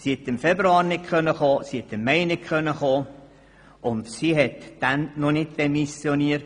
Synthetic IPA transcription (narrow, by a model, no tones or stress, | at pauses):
siɛt̪ːɪmfɛbɾuɑːɾnɪt̚kʰχœnːəχoːsihɛt̪ːɪmːɛɪnɪtkʰχœnːəχoː | ʔʊnd̪siɦɛt̪d̥ænnɔnɪt̚d̥emisjoniːəɾt